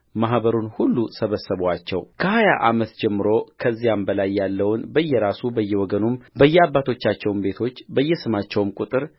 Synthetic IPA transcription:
mahbəɾunhulːusəβəsːəβwat͡ʃːɛwkʰəhaja̰ʔamət̪d͡ʒɛmːɨɾo̞kʰəzːijambəlajːalːəwnbəjːɛɾasubəjːɛwɔɡənumbəjːɛabːat̪ʰo̞t͡ʃːat͡ʃːɛwnbe̞t̪ʰo̞t͡ʃːbəjːɛsɨmat͡ʃːɛwmkʼut̪ʼɨɾ

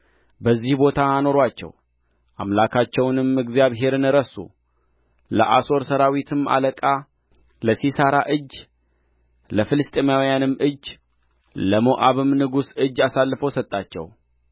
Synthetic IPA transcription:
bəzːihbo̞t̪ʰano̞ɾat͡ʃːɛ̰w | ʔa̰mlakʰat͡ʃːɛwnɨmɨɡzijaβɦe̞ɾɨnɨɾəsṵ | lə̰ʔaso̞ɾsəɾawit̪ʰɨma̰ləkʼa | ləsisaɾaʔɨd͡ʒː | ləfɨlɨst̪ʼimawjanɨmːɨd͡ʒː | ləmoʔaβɨmnɨɡusɨd͡ʒːasalːɨfəwsət̪ʼːat͡ʃːɛ̰w

